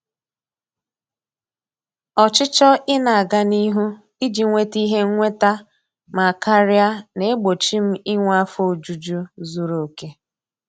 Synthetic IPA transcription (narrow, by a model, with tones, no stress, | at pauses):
ɔ˨t͡ʃɪ˦t͡ʃɔ˦ɪ˦na˨a˨ɡa˦ni˦ɦu˦ | i˦d͡ʒi˨ŋʷe˦ti˦ɦe˦ŋ̩˦ŋʷe˦ta˦ | ma˨ka˦ɾi˦a˦ne˨˦ɡ͡bo˨t͡ʃi˦m̩˦ɪ˦ŋʷ˦a˦fo˦o˨d͡ʒu˨d͡ʒo˦zu˦ɾo˨ke˦